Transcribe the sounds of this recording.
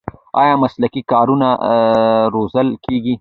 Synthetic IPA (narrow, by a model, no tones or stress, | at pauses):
ɑ̰jɑmaslakikɑɾuna | ɾozəlkeɡi